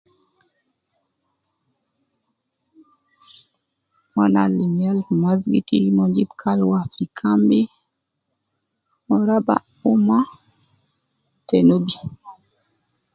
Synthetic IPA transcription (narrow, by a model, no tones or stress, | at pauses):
mana̰limialmazɡḭtḭmɔɲd͡ʒibkʰalwafɾikʰambi | mɔɾaba̰ | uma | tenubi